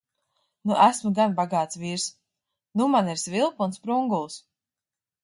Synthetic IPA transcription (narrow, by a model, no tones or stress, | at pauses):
nuʔæsmuɡanbaɡaːt̪svʲiːɾs | numaniɾsvʲilˠpunspɾuŋɡulˠs